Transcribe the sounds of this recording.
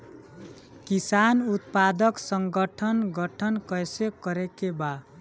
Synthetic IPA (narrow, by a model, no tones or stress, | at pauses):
kisanut̪pad̪ʌksʌŋɡʌʈʰʌnɡʌʈʰʌnkʌjsekʌɾekeba